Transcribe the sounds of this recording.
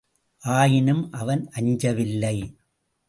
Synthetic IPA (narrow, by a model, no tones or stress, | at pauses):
ʔaːjɪnɯmʔɐʋɐnʔɐɲd͡ʒɐʋɪlːɐɪ